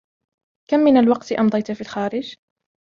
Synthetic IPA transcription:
kamːɪnalwɑqt̪ʔɑmd̪ˤɑjt̪fiːlxaːɾɪd͡ʒ

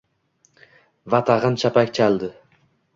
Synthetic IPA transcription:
vat̪ʰaʁɨnt͡ʃʰapakʲt͡ʃʰalˠd̪ɪ

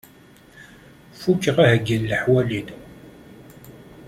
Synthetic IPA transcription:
fukːəʁahəɡːəlːəħwælid

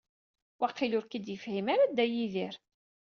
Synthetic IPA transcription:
waqːilʊɾkid̪jəfhimaɾad̪æjiðiɾ

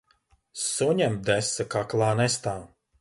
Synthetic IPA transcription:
suɲʲɛm̚d̪ɛsakaklˠaːnɛst̪aː

